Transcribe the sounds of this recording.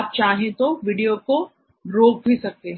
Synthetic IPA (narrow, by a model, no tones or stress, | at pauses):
aːp̚t͡ʃaːɦẽt̪oʋɪɖijoko | ɾoːk̚bʱisɐk̚t̪eɦɛ̃